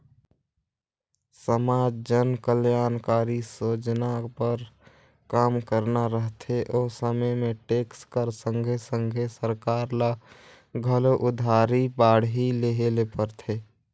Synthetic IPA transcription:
səmaːd͡ʒd͡ʒənkəljaːnkaːɾisod͡ʒnapəɾ | kaːmkəɾnaɾəɦt̪ʰeʔoːsəməjmẽʈeːkskəɾsə̃ŋɡʱesə̃ŋɡʱesəɾkaːɾla | ɡʱəloʔʊd̪ʱaːɾibaːɽɦileɦelepəɾt̪ʰe

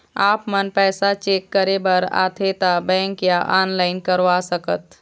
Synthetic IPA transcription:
aːpmənpɛːsat͡ʃeːkːəɾebɐɾa̰ːt̪ʰet̪abɛ̃ːŋkjaʔaːnlaːɪnkəɾʋasəkət̪

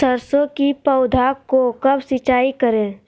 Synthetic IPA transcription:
əɾsõkipəʊd̪ʱakokɐbsɪt͡ʃaːikəɾẽː

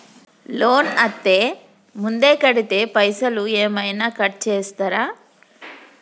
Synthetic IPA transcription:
loːnɐt̪ːeː | mund̪eːkɐɽit̪epɐjsɐlueːmɐjnɐkɐʈ̚t͡ʃeːst̪aɾaː

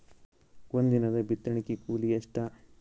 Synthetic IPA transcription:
ond̪inɐd̪ɐbit̪ɾɐɳikikuːlijɐʂʈɐ

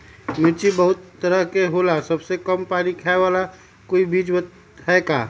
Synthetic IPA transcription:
mɪt͡ʃibəɦʊt̪ːəɾəɦkeɦoːlasɐbsekəmpaːnikʰaʋaːla | koːibʱiːd͡ʒbət̪ | ɦɛkaː

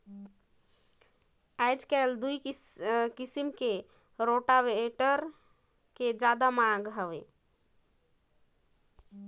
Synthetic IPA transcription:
ajd͡ʒkaeld̪uj | kisimke | ɾoʈaʋeeʈəɾ | ked͡ʒad̪amãɡɦəʋe

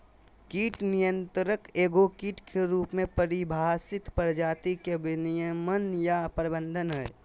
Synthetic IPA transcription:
kiːʈnijə̃nt̪ɾəkeːɡokiːʈkʰeɾuːpmẽpəɾibʱaːsɪt̪pəɾd͡ʒaːt̪ikebɪnijəmənjapɾbə̃nd̪ʱənɦɛː

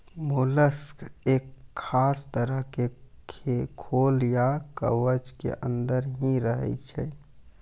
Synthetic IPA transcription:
muləskekʰːast̪əɾəɦkekʰekʰoljakə̰ʋəd͡ʒkḛʔə̰nd̪əɾɦĩɾəɦɛ̰t͡ʃʰɛ

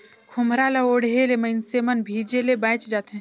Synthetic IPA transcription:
kʰʊmɾaːlaoːɽɦelemɐɪnsemənbʱiːd͡ʒelebãːɪt͡ʃd͡ʒaːt̪eɦɛ̃

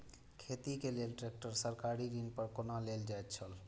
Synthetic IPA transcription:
kʰet̪ikelelʈɾek̚ʈəɾsəɾkaɾiɾinpəɾkonaleld͡ʒaet̪t͡ʃʰəl

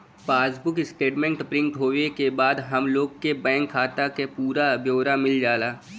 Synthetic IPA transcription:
paːsbʊkɪsʈeːʈmẽɳʈpɾɪ̃ŋkɦoːʋekebaːd̪ɦɐmloːɡkebɛ̃ːŋkʰːaːt̪akepuːɾabjoːɾamɪld͡ʒaːlaː

